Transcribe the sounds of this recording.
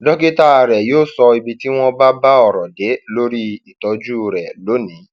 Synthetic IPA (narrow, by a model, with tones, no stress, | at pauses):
dɔ˦ke˦ta˦a˧˨ɾɛ˨joː˦˨sɔ˧i˧bi˧ti˦w̃ɔ̃˦ba˦ba˦ɔ˨ɾɔ˨de˨˦lo˦ɾi˦i˨tɔ˨˧d͡ʒu˦ɾɛ˨lo˨˦nĩ˨˦